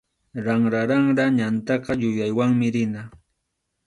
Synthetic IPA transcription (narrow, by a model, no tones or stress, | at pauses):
ɾaŋɾaɾɑŋɾaɲant̪ɑqɑjʊjajwaŋmɪɾɪna